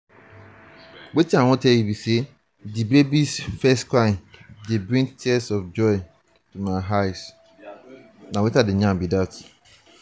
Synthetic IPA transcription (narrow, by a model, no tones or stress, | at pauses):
wetʰiãwɔ̃tʰɛjibise | dibebisfɛskʰãɪ̃ndɪbɹĩŋtʰiɛsɔfd͡ʒɔɪ | tʰumaɦaɪs | nãwetadɪɲãmbidat